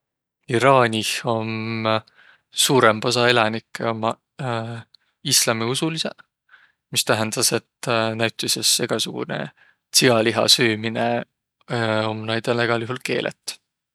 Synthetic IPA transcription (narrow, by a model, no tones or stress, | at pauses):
iɾɑːnʲiho̞m | suːɾempos̬ɑelɑnikːˑeomɑ | islɑmiusulisḛ | mist̪æɦend̪̥ɑse̞t̪ːnæwɥt̪ːˑisese̞ɡ̥ɑsuɡ̥ṵne̞̰ | siɡɑliɦɑ̰syːmine | o̞mnɑjd̪̥eleɡ̥ɑliɦulke̞̰ːlʔḛt̪ːˑ